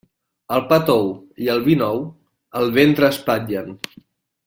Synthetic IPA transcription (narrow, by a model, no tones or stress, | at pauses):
əlˠpat̪ow | iəlˠβinɔw | əlˠβent̪ɾəːspad͡ʒən